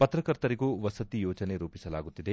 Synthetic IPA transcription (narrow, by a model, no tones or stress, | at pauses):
pɐt̪ɾɐkɐɾt̪ɐɾiɡuːʋɐsɐt̪ijoːt͡ʃɐne̞ɾuːpisɐlaːɡut̪ːid̪e̞